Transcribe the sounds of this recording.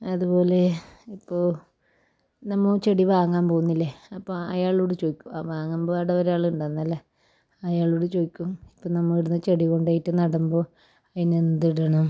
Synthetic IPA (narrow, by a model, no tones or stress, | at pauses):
ɐðupo̞ːle̞ipːo̞ː | nɐmːɐt͡ɕeɽiʋaːŋːaːnpo̞ːɣunːilːeɐpːoɐjaːɭoːɽet͡ɕoːikʲːuaːʋaːŋːamboʋaːɽeɐɾaːɭuɳɖanːɐlːɐ | ɐjaːɭoːɽet͡ɕoːikʲːumipːoːnɐmːɐiɽunːɨt͡ɕeɽiɣo̞ɳɖaːjitːɨnɐɽɐmbo | ɐðinend̪iɽɐɳɐm